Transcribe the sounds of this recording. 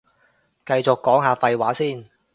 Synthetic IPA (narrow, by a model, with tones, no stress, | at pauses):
kɐ˧jt͡sʊ˨kːɔː˨˥ŋɦaː˧fɐ˧jwaː˨˥siː˥˩n